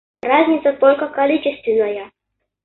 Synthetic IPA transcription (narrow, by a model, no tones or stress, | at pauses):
razʲnʲɪt̪sət̪olʲkəkɐlʲit͡ɕɪst̪vʲɪnːəjə